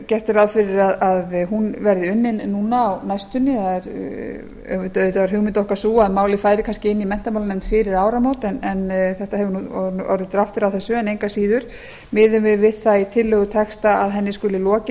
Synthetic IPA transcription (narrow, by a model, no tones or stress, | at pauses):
cɛr̥t̪ɪɾaðfɪɾɪɾaðaðɦunvɛɾðɪʏnːɪnːuːnaːwnajst̪ʏnːɪθaðɛɾ | œvɪt̪ʏt̪avaɾhɦʏɣmɪnt̪ɔhkḁsuːamaːwlɪfaːjɾɪkʰanscɪɪnːimɛn̥t̪amawlanɛmnt̪fɪɾɪɾaːwɾamowt̪ɛnɛnθɛht̪aɦɛvʏnuɔɔ̰wɾðɪt̪ɾaft̪ʏɾawθɛsːʏɛnejŋkasiːðʏɾ̥ | mɪðʏmɪvɪðθait̪ʰɪlːœːɣʏt̪ʰɛkst̪aaðɦɛnːɪskʏlɪlɔːcɪ